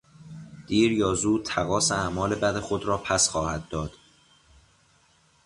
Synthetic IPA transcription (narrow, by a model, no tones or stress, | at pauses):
d̪̥iːɾjɒːzuːt̪ʰæɣɒːseæmɒːlebæd̪exo̞d̪ɾɒːpʰæsxɒːhæd̪̚ːɒːd̪̥